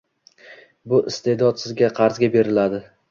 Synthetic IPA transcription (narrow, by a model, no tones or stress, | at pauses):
bʊʔɪst̪ʰe̞d̪ɒt̪sɪzɡʲaqʰɑɾzɡʲabe̞ɾɪlad̪ɪ